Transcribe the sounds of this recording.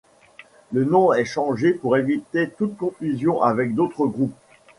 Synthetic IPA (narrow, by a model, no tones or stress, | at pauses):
lənɔ̃ɛʃɑ̃ʒepuʁevit̪et̪ut̪kɔ̃fyzjɔ̃ʔavɛk̚d̪ot̪χəɡʁup̚